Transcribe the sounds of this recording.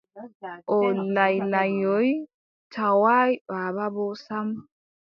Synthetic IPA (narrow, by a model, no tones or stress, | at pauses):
ʔɔlajlajɔj | tʰawajɓababɔsam